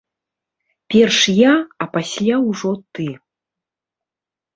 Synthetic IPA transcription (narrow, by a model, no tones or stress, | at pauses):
pʲɛrʂjaɐpasʲlʲawʐɔt̪ɨ